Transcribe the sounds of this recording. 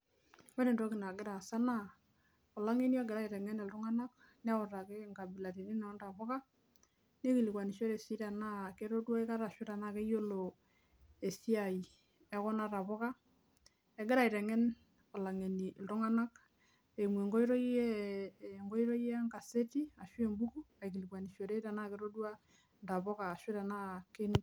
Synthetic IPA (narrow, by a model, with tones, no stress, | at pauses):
wɛ˦ɾe˨ndo˦ki˨na˨ɡɪ˦ɾa˨sa˦na˦˨ | o˨la˦ŋe˦niɔ˦ɡɪ˨ɾa˦i˨ɾɛ˨ŋɛ˦ne˨ltu˦ŋa˦na˦k̚ | ni˦a˦o˨ɾa˨ke˦ŋɡa˨bi˨la˨ti˨ɾi˦na˨ɔ˦nda˨βɔ˦ka˦ | ne˦ki˨li˨kwa˨ni˨ʃo˦ɾe˨si˦ɾa˨na˦ke˦ɾo˦twa˦e˦ka˦ɾa˨ʃi˦ɾa˨na˦ke˦jo˦lo˨ | e˨si˦a˨i˨ | ɛ˦kɔ˦na˦ɾa˨βɔ˦ka˦ | e˨ɡe˦ɾa˨i˨ɾɛ˨ŋɛ˦n | o˨la˨ŋe˨ni˨lto˦ŋa˦na˦k | e˨mwe˨ŋɡo˦i˦ɾo˦i˦je˦ŋɡo˦i˦ɾo˦je˦a˦ŋɡa˨se˦ti˦a˨ʃwe˦˨mbu˦ku˦a˨i˨ki˨li˨kwa˨ni˨ʃjo˨ɾe˦ɾa˨na˦ke˦ɾo˦dwa˦ | nda˨βɔ˦kaː˨ʃwe˦ɾa˨na˦ke˦n˦